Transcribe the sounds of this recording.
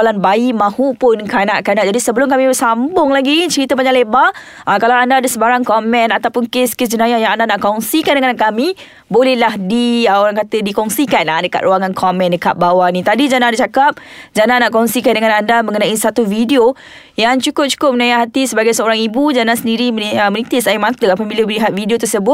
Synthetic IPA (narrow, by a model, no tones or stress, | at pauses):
lanbaimãhupʊnkanaʔkanaʔd͡ʒadisəbəlʊmkamibəsambʊŋlaɡit͡ʃəɾit̪əpaɲaʔleba | ʔakalawandaːdəsəbaɾaŋkɔmɛ̃nat̪awpʊnkeskes̬d͡ʒənãjajaŋandanaʔkɔŋsikandəŋanaʔkamĩ | bolɛhlahdiəoɾaŋkat̪ədikɔŋsikanadəka̰t̪ɾuaŋankʰɔmɛ̃ndəkat̪̚bawanĩt̪adid͡ʒanadat͡ʃakap̚d͡ʒananaʔkɔŋsikandəŋãnandaməŋənãʔisat̪ufidio | jaŋt͡ʃukʊp̚t͡ʃu̥kʊp̚mənajaʔɦat̪isəbaɡajsəoɾaŋibud͡ʒanasəndiɾiməəmənĩt̪ɪʔsaimãt̪əapabilabəliɦat̪̚fidiot̪ərsəbʊt̪̚